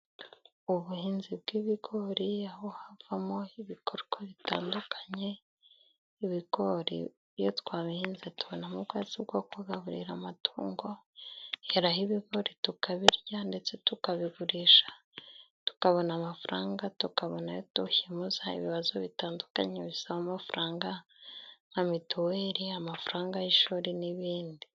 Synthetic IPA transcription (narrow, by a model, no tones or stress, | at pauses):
uβuhiːnzib̚ɡiβiɡo̞ɾiahohavamo̞iβikoɾkoβita̰ːndukʰḁɲe̞ | iβiɡo̞ɾḭ | jotwaːβihiːnzituβonamuɡazibɡo̞kuɡaβuɾḭɾamatʰuːŋɡo̞heɾahiβiɡo̞ɾitukaβiɾɟande̞t͡se̞tukaβiɡuɾiʃḁ | tu̥kaβo̞namafuɾaːŋɡatukaβonajotuhimuzaḭβiβazoβitaːnduka̰ɲeβisaβamafuɾʔaːŋɡa | ŋamituweɾiamafuɾaːŋɡajiʃuːɾiniβiːndi